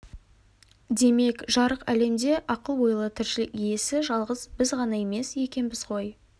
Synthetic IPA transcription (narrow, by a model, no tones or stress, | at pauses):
d̪e̞me̞kʒɑɾəqæ̰le̞md̪e̞ʔɑqəlˠwojəlˠət̪ʰɪɾʃɪlɪkije̞sɪʒɑlˠʁəzbɪzʁɑnɑe̞me̞sje̞kʲe̞nbɪz̥qʰo̞j